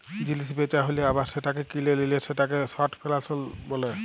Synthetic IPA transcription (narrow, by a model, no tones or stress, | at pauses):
d͡ʑilis̬bet͡ʃaɦoleabaseʈakekilelileseʈak̬esaʈpʰelasɔlbole